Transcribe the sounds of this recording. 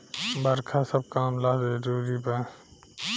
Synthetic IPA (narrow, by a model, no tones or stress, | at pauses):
bəɾkʰasəb̚kaːmlaːdɾuːɾipə